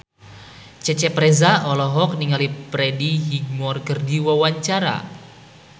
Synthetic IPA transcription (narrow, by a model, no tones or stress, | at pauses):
t͡ʃɛt͡ʃɛpɾɛzaɔlɔɦɔk̚niŋalipɾɛdiɦiɡ̚mɔrkərdiwawaɲt͡ʃaɾa̰